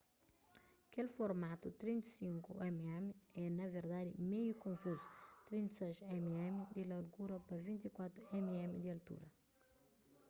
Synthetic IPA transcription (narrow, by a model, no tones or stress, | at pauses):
ɐkelfoɾmat̪ut̪ɾĩnt̪sĩŋkuɛmɛmiɛnɐveɾd̪ad̪imejukõɱfuzut̪ɾĩnt̪sɛjʃɛmiɛmid̪ilaɾɡuɾɐpɐvĩnt̪ikwat̪ɾuɛmiɛmid̪iɐlt̪ṵɾɐ